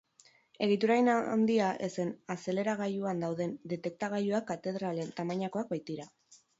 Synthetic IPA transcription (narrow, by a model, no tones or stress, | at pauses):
e̞ɣ̞it̪uɾajna̰nd̪iaʔḛse̞nase̞le̞ɾaɣaʎuand̪awðe̞nd̪e̞t̪e̞k̚t̪aɣ̞aʎuakːat̪e̞ð̞ɾale̞nt̪amaɲako̞ak̚bajt̪iɾa